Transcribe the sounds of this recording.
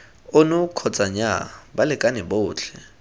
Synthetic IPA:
ʊnʊkʰɔt͡sʼaɲabalɪkʼanɛbʊːt͡ɬʰɛ

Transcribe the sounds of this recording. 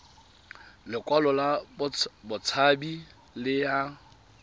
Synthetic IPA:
lɪkʼwalɔla | bʊt͡sʰabi | lɪja

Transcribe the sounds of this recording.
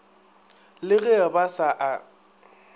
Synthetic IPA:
lɪɣɛabasaʔa

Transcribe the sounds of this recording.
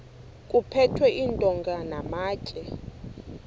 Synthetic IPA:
kʼupʰɛtʰwɛʔintʼɔŋɡʱanamaːt͡ʃʼɛ

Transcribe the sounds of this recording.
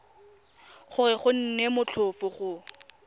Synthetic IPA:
χʊrɪχʊn̩nemʊt͡ɬʰʊfʊχʊ

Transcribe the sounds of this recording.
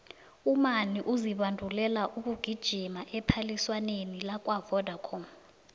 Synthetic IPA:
umaniʔuziɓandʱulɛlaʔuk̬ʼuɡ̥ʱid̥ʒ̥ʱimaʔɛpʰaliswanenilak̬ʼwavɔd̥ʱakʰɔm

